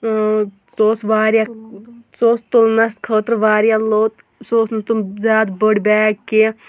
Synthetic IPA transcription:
soːsʋaːɾjasoːst̪ulnɐskʰəːt̪ɾʋaːɾjaloːt̪ | soːsnt̪umzjaːd̪bəɽbɛːɡkːi

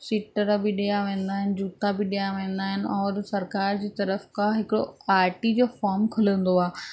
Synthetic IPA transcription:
sɪʈəɾbɪɗijaʋẽːn̆d̪aːɦɪnɪ̆d͡ʑuːt̪abɪɗijaʋẽːn̆d̪aːɦɪnɪ̆ɔːɾsɐɾkaːɾd͡ʑiːt̪ɐɾəfkãɦɪkɪɽo̰aːɾʈid͡ʑoːfaːɾmkʰʊlə̃nd̪oaː

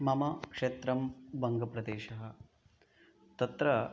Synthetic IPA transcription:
mɐmɐkʂeːt̪ɾɐmbɐŋɡɐpɾɐd̪eːʃɐɦɐ̆ | t̪ɐt̪ɾɐ

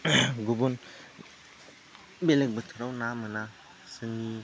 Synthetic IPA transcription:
ɡubun | belek̚bətʰɯɾawnamɯna | sɯŋi

